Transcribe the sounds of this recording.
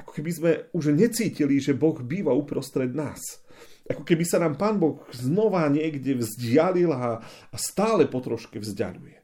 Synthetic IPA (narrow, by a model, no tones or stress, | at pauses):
ʔakɔ̥kɛbizmɛuʒɲɛt͡siːciliʒɛbɔɣbiːʋaupɾɔst̪ɾɛd̪naːs | ʔakɔkɛbisanaːmpaːnbɔɣznɔʋaɲɪɛɡɟɛʋzɟɪalilaːst̪aːlɛpɔt̪ɾɔʃkɛvzɟa̰ʎujɛ